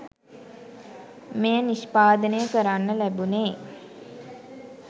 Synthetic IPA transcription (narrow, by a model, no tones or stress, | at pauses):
mejəniʃpaːd̪ənəjəkəɾanːəlæbuneː